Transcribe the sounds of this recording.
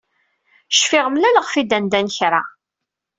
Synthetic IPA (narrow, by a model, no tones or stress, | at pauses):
ʃfɪʁəmlæləʁfid̪ænd̪ænəçɾˤa̰